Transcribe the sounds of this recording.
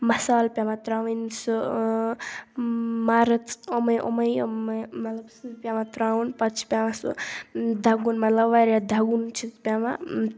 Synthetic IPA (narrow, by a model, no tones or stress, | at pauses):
mɐsaːlpjamat̪ɾaʋɐnsɨ | maɾɐt͡somɐjʔo̰mɐjmɐt̪lɐbsɨpjamat̪ɾawnpɐt͡ʃʰi̥pʲjamasṵd̪ʱaɡunmɐt̪lɐbʋaɾad̪ʱaɡunt͡ʃʰit̪pʲjama